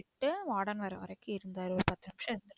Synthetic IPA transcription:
ɪʈːɯʋaːɽɐnʋɐɾɐʋɐ̰ɾɐjkːɯɪɾɯnd̪aːɾɯɔɾɯpɐt̪ːɪnɐmʂɐɪɾɯnd̪ɐɽ

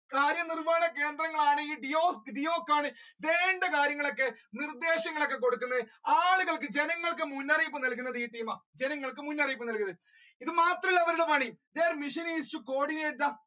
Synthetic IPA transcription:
kaːɾjɐnirʋaːɳɐke̞ːnd̪rɐŋːɐɭaːɳɨiːɖijoːsɖijo̞ːkːaːɳɨʋe̞ːɳɖekaːɾjɐŋːɐɭo̞kːe̞nird̪e̞ːɕɐŋːɐɭokːe̞k̬o̞ɽukːunːɐðɨaːɭuɣɐɭkːɨd͡ʑenɐŋːɐɭkɨmunːɐrijupːɐmnɐlk̬ːunːɐðiːʈːiːmaːd͡ʑe̞nɐŋːɐɭkɨmunːɐrijupːɐmnɐlkːɐðɨ | iðɨmaːt̪rɐmiɭːɐʋɐɾuɽɐmaːɳid̪eːɾɐmːiʂɐniːst͡ɕuko̞ːɽineːʈðɐ

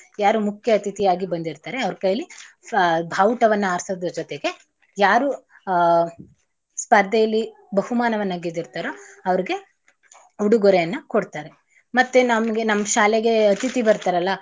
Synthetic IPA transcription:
jaːɾumukʰjɐːt̪it̪ijaːɡibɐnd̪iɾt̪aːɾeɐʋɐɾkɐjɐli | bʱawʈɐʋɐnːɐaːɾsɐd̪ɐd͡ʒɔt̪eɡe̞ | jaːɾu | spɐɾd̪ʱɐjɐlːi | bɐɦumaːnɐʋɐnːaːɡid̪iɾt̪aːɾoɐʋɐɾiɡe̞ | uɽuɡoɾejɐnːɐkoɽt̪aːɾe | mɐt̪ːenɐmɐɡenɐmːɐʃaːleɡe̞ɐt̪it̪ibɐɾt̪aːɾɐlːɐ

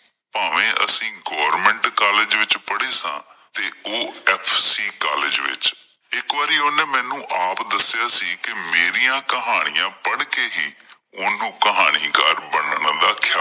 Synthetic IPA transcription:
paːʋẽːʔə̰sĩːɡoːəɾmɛ̃ːɳʈkaːleːd͡ʒʋɪt͡ʃpəɽeːsã̰ːt̪eːoːɛːpʰsiːkaːlɪd͡ʒʋɪ̰t͡ʃ | ɪkʋaːɾiːoːneːmɛ̃ːnũːʔaːpd̪əsːɪjaːsiːkɪmeːɾijãːkəɦaːɽ̃ɪjãːpəɳkeːɦiː | ʊnũːkəɦaːɽ̃iːkə̰ɾbənəɳd̪aːkʰaː

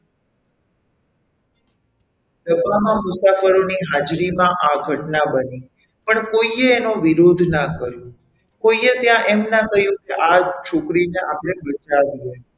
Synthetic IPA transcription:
səpamãmʊsafəɾoniɦad͡ʒɾimãʔaɡʱəʈnabəni | pəɳkoieːnõʋiɾod̪ʱnakəɾjũ | koiet̪jãʔɛmnakəɦjũkeʔat͡ʃʰokɾineʔapɽebət͡ʃaʋie

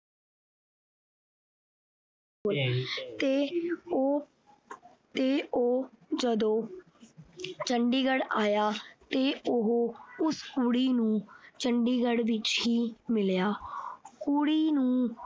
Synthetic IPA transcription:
ʊlt̪e | t̪eːoːd͡ʒəd̪õː | t͡ʃəɳɖiːɡəɽaːjaːt̪eːʊɦoːʊskuɽiːnũːt͡ʃəɳɖiːɡəɽʋɪt͡ʃhiːmɪljaːkuːɽiːnũː

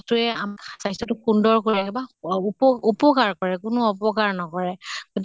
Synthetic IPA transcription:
tʊɛamsajsɔtʊkundɔɹkoiɛkɛbaupɔupɔkaɹkɔɹɛkʊnʊɔpɔkaɹnɔkɔɹɛɡoti

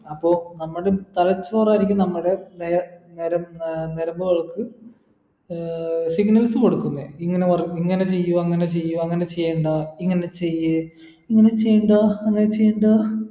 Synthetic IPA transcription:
ɐpːo̞ːnɐmːuɽet̪ɐlɐt͡ɕːoːraːjiɾikʲːumnɐmːuɽe̞neneɾɐmneɾɐmbɐʋɐɭɐkːɨ | siɡnɐlsɨko̞ɽukːunːeiŋːɐneʋɐriŋːɐne̞t͡ɕe̞jːuɐŋːɐne̞t͡ɕe̞jːuɐŋːɐnet͡ɕe̞jːeɳɖaiŋːɐne̞t͡ɕe̞jːɨ | iŋːɐne̞t͡ɕejːuɳɖaɐŋːɐnet͡ɕejːuɳɖa

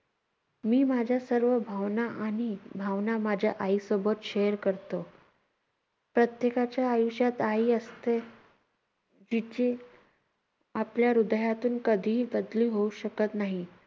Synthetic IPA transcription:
miːmad͡ʑʱjasəɾʋəbʱaʋnaʔaɽ̃ibʱaʋnamad͡ʑʱjaʔaisobət̪ɕejəɾkəɾt̪o | pɾət̪jekat͡ɕjaːjuɕjat̪aiəst̪e | d͡ʑit͡ɕe | apljaɾud̪jat̪uːnkəd̪ʱiːbəd̪liːɦouɕəkət̪naɦi

